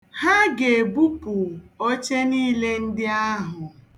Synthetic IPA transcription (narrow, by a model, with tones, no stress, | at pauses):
ha˦ɡe˨bu˦pʊ˨o˦t͡ʃe˦niː˦le˦n̩˦dɪ˦a˦ɦʊ˨